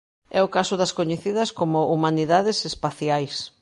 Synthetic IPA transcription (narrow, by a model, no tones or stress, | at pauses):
ɛʊkasʊðɐskoɲeθiðɐskomʊʔumaniðaðɪsespaθjajs